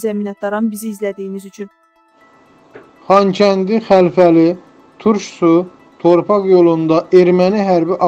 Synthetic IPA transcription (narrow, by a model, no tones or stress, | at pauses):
zæmiːnɑt̪̚d̪ɑɾɑnbiziːzlæd̪ijinizyt͡ʃʰyn | χɑncʰænd̪iχælfæli | t̪ʰuɾʃsu | t̪ʰo̞ɾpʰɑχjo̞lˠund̪ɑʔeɾmæniɦæɾbiʔɑ